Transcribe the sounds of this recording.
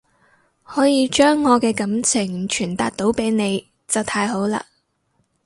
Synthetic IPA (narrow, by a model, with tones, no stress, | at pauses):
hɔː˨˥jiː˧t͡ʃœː˥ŋːɔː˨˧kɛː˧kɐ˨˥mt͡sʰɪ˨˩ŋt͡ʃʰyː˨˩nt̪aː˧t̚t̪o˨˥wpe˨˥jne˨˧j | t͡sɐ˨wt̪ʰaː˧jɦo˨˥wla̰ː˧